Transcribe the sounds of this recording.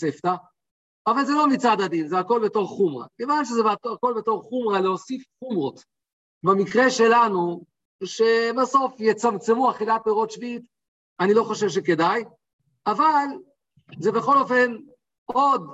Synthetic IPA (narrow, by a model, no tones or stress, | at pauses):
seft̪a | avalzelo̞mit͡sad̪ad̪inzeako̞lbe̞to̞ʁχumʁa̰kevanʃ̬ezebako̞lbe̞to̞ʁχumʁaleosifχumʁo̞t̪ | bemikʁeʃe̞lanu | ʃe̞baso̞fjet͡samt͡se̞muaχilapeʁo̞t̪ʃviit̪ | anilo̞χoʃevʃ̬e̞ke̞daj | aval | ze̞be̞χo̞lofe̞n | o̞d̪